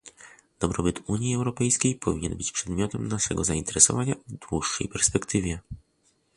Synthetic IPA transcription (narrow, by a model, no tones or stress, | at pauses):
d̪̥ɔbɾɔbɘt̪uɲjiɛwɾɔpɛjskʲejpʰɔvʲiɲɛnbɘt͡ɕpʂɛd̪mʲjɔt̪ɛmnaʂɛɡɔzaint̪ɛɾɛsɔ̰vaɲavd̪wuʂːɛ̰jpɛɾspɛkt̪ɘvʲjɛ